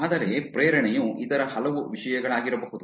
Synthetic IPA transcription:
aːd̪ɐɾepɾeːɾɐɳɛjuʔit̪ɐɾɐhɐlɐʋuʋiʂɐjɐɡɐɭaːɡiɾɐbɐɦud̪u

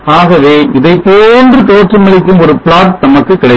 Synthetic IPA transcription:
aːɣɐʋeːɪðɐɪpoːndrɯt̪oːʈrɯmɪɭɪkːɯmɔɾɯpɭaːʈ̪t̪ɐmɐkːɯkːɪɽɐɪ

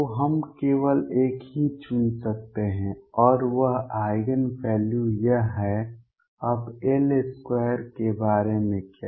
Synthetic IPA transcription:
t̪oɦəmkeːʋəleːkɦit͡ʃʊnsək̚t̪eɦɛ̃ɔːɾʋəɦaːɪɡənpɛːljujəɦɛ | ɐbeːleskwɛːɾkebaːɾemẽkja

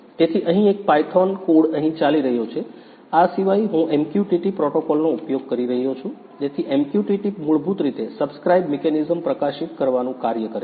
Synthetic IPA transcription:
t̪et̪ʰiʔəɦĩek̚pajʈʰɔnkoɽəɦĩt͡ʃaliɾəɦjot͡ʃʰe | asiʋaiɦũʔemkjuʈiʈipɾɔʈokɔlnoupjoɡ̚kəɾiɾəɦijot͡ʃʰũ | d͡ʒ̪et̪ʰiʔempjuʈiʈipmuɭbut̪ɾit̪esəbskɾaibmekɛnizəmpɾəkaʃit̪kəɾʋanũkaɾjəkəɾe

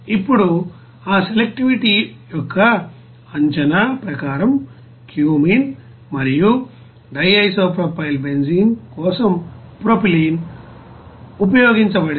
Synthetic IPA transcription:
ipːuɽu | aːselek̚ʈiʋiʈijɔkːɐ | ɐɲt͡ʃɐnaːpɾɐkaːɾɐm | kjuːmiːn | mɐɾiju | ɖɐjɐjsoːpɾopʰɐjilbeɲd͡ʒiːŋkɔːsɐmpɾopiliːn | upɐjoːɡiɲt͡ʃɐbɐɽ

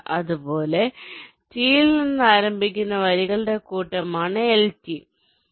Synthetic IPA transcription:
ʔɐðupo̞ːle̞ | t͡ɕiːlninːɨaːɾɐmbʱikʲːunːɐʋɐɾiɣɐɭɨɽe̞kuːʈːɐmaːɳɐelt͡ɕːi

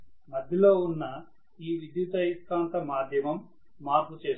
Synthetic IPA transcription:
mɐd̪ʱjɐlo̞ːunːɐ | iːʋid̪jut̪ɐisk̪aːnt̪ɐmaːd̪ʱjɐmɐmː | aːɾkut͡ʃe̞ːs

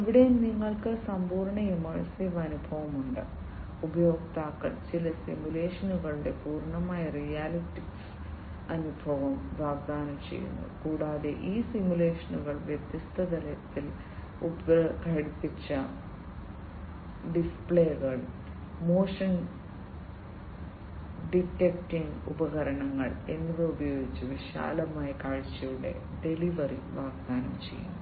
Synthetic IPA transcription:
iʋiɽeniŋːɐɭkɨsɐmbuːɾɳɐimɐːɻsiːʋɐnubʱɐʋɐmuɳɖɨ̰ | ubɐjoːɡt̪aːkːɐ̰ɭt͡ɕilɐsimjule̞ːʂɐnuɣɐɭiɽe̞puːrɳɐmaːjɐrijaːliʈːiks | ɐnubʱɐʋɐmʋaːɡd̪ʱaːnɐmt͡ɕe̞̰jːṵnːṵkuːɽaːðeʔiːsimjule̞ːʂɐnuɣɐɭʋjet̪jɐst̪ʰɐd̪ɐlɐt̪ːil | ubkɐɽipːit͡ɕːɐ | ɖispɭeːɣɐɭ | moːʂɐn | ɖiʈːek̚ʈiŋɡṵbɐɣɐɾɐɳɐŋːɐɭe̞nːɐðeubɐjo̞ːɡit͡ɕːɨʋiʂa̰ːlɐmaːjɐkaːɻt͡ɕːɐjuɽḛ | ɖe̞liʋɐriʋaːɡd̪aːnɐmt͡ɕe̞̰jːṵnː

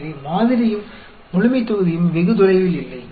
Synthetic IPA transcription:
ɾɯmaːðɪɾɪjɯmː | ʊɻʊmɪt̪ːɔɣɯðɪjɯmʋɛɣɯt̪ɔlɐɪʋɪlɪlːɐɪ

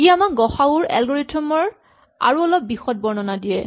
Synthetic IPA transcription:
kiamak̚ɡɔxauɹɛ̰lɡɔɹitʰɔmɔɹ | a̰ɹuɔlɔp̚bixɔt̚bɔɹnɔnadijɛ

